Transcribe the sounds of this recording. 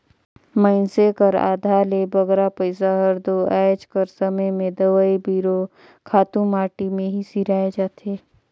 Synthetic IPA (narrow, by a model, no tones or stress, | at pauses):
məɪnsekəɾa̰ːd̪ʱalebɐɡɾapəɪsaɦɐɾd̪oɛːd͡ʒkəɾsəməjmẽd̪ɐʋaibiːɾo | kʰaːt̪ũmaːʈimẽɦisiɾaːed͡ʒaːt̪eː